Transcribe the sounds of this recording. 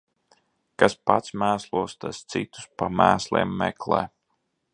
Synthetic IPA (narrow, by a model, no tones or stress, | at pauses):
kaspat̪smæːslˠuɔst̪ast̪sit̪u̥spamæːslʲˠḛːmːɛ̰klˠɛ̰ː